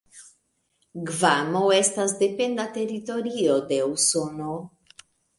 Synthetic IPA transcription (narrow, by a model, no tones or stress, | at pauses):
ɡvamowe̞stasde̞pe̞ndate̞ɾito̞ɾiode̞usono